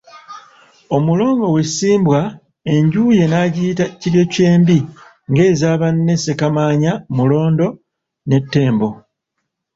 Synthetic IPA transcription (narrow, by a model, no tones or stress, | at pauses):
o̞mulo̞ːŋɡo̞wesiːmbwa | e̞ɲɟuːje̞naɟiːtaciɾje̞ce̞ːmbi | ŋɡe̞ːzaːβanːe̞se̞kamaːɲamulo̞ːndo̞ | ne̞tːe̞ːmbo̞